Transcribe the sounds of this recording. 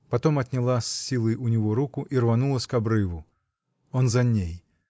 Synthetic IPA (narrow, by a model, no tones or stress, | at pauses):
pɐt̪ɔmɐt̪ʲnʲɪlˠasʲːilˠəjʔunʲɪvɔɾukʊʔirvɐnulˠəsʲkabɾɨvʊ | ɔnzɐnʲej